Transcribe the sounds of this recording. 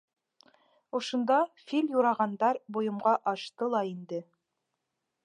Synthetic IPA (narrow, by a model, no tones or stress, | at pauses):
ŏʃŏnd̪ɑfilʲjuɾɑʁɑnd̪ɑɾbujɤ̆mʁɑʔɑʃt̪ɤlˠɑind̪ɘ